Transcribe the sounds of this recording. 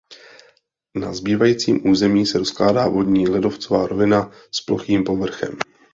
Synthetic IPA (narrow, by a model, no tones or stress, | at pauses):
na̰zbiːvajiːt͡siːmʔuːzɛmiːsɛɾo̞sklaːdaːvo̞dɲiːlɪdo̞ft͡sovaːɾo̞vɪna | splo̞̰xiːmpo̞vr̩xɛ̰m